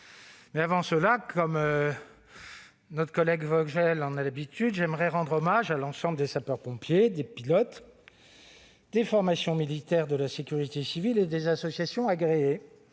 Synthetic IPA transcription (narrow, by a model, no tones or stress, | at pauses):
mɛavɑ̃səlakʰɔmø | nɔt̪χəkɔlɛɡvɔʒɛlɑ̃nalabit̪yd̪ʒɛmʁɛʁɑ̃d̪ʁɔmaʒalɑ̃sɑ̃bləd̪esapœʁpɔ̃pjed̪epilɔt̪ | d̪efɔʁmasjɔ̃milit̪ɛʁd̪əlasekʲyʁit̪esiviled̪ezasɔsjasjɔ̃aɡʁee